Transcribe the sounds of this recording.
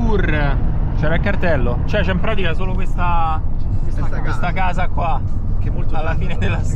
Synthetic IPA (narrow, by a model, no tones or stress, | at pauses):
urt͡ʃɛːɾaikːart̪ɛlːot͡ʃɛt͡ʃɛimpɾaːt̪ikasoːlokwest̪a | kwest̪akaːzakwakemːolt̪alːafiːned̪elːa